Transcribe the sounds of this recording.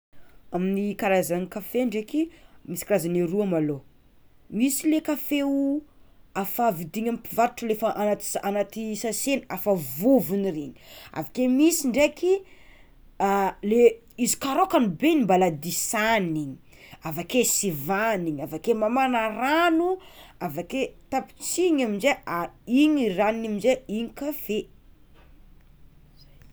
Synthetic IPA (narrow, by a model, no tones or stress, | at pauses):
aminikaɾazanikafeɳɖ͡ʐekimisikaɾazaneɾuamalo | misilekafeu | afavid̪iɲamipivaɾuʈ͡ʂulefaʔanat̪anat̪isasenafavuvinireɲi̥a̰vakemisiɳɖ͡ʐeki | ale | izi̥kaɾokanubenimbalad̪isaniɲi̥ | avakesivaniɲavakemamanaɾanuavaket̪api̥t͡siɲaminzeaiɲirannamizeiɲikafe